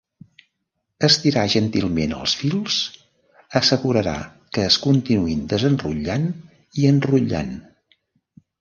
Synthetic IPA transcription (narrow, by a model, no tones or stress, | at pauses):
əst̪iɾaʒənt̪ilˠmenə̰lˠsfilˠs | əsəɣuɾəɾa̰ | kəːskunt̪inuind̪əzənruʎan | iənruʎa̰n